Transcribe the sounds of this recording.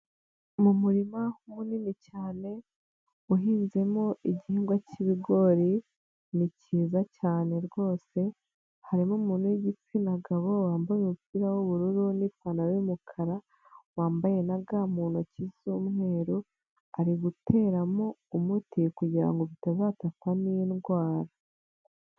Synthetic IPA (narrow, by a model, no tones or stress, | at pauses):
mumuɾimahuninicaːne̞ | uɦiːnze̞mo̞iɟihiːŋɡwaciβiɡo̞ɾi | niciːzacaːne̞ɾɡo̞ːse̞ | haɾimomuːnuiɟit͡sinaɡaβowaːmbajemupiɾawoβuɾuɾunifanaɾimukʰaɾa | waːmbaje̞naɡamuːnocizumŋe̞ːɾu | aɾiɡutʰe̞ːɾamoumutikuɟiɾa̰ŋɡo̞βitazaːtafaniinɡwaːɾa